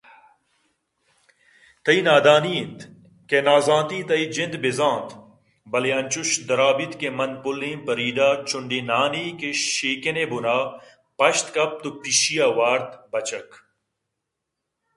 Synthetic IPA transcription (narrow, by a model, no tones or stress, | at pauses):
t̪ɐinaːd̪aːniːnt̪ | kenaːzãːnt̪iːt̪ɐid͡ʒɪ̃nd̪bɪzãːnt̪ | bɐleɐnʲt͡ʃʊʃd̪ɐɾaːbit̪kemɐnpʊlːĩːmpɐɾiːɖaːɾt͡ʃʊɳɖinaːniːkeʃiːkeneːbʊnaː | pɐʃt̪kɐp̚t̪upiʃijaːʋaːɾt̪bɐt͡ʃɐk